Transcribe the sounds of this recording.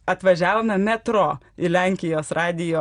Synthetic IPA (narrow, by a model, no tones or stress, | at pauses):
ɐt̪ʋɐʒʲæːʋoːmʲɛmʲæt̪ɾoː | ɪlʲæːŋʲkʲɪjoːsɾɑːd̪ʲɪjoː